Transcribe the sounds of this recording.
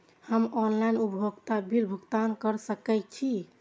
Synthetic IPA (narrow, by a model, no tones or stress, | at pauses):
həmɔnlajnupɦoɡt̪abilbʱuɡt̪ankəɾsəkɛk̚t͡ʃʰi